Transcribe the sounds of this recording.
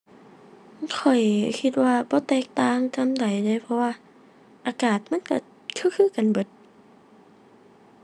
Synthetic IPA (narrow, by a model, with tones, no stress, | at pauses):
kʰɔ˨˩jkʰi˧t̪̚waː˧bɔː˧˦t̪ɛː˧˩k̚t̪aː˧˨ŋta˧˥˨mda˨˩jda˧˩jpʰɔ˧waː˧˨ | ʔaː˨˩kaː˨˩t̪̚ma˧˥˨nka˧˩ | kʰɯː˧˥˨kʰɯː˧˨ka˨nbɤ˨˧˦t̪̚